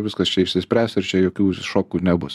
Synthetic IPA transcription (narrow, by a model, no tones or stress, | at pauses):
ʋʲɪskɐst͡ʃʲɛiʃʲsʲɪsʲpʲɾʲæːst̪ɪɾt͡ʃʲɛjoːkʲuːʃoːkuːnʲɛbʊs